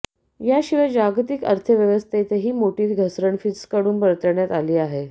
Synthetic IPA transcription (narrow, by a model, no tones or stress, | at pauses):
jaɕiʋəd͡ʑaɡt̪ikə̰ɾt̪ʰəʋjəʋəst̪ʰet̪eɦiːmoʈiːt̪ɡʱəsɾəɳfit͡sskəɽuːnpəɾət̪əɾɳjat̪aliːaɦe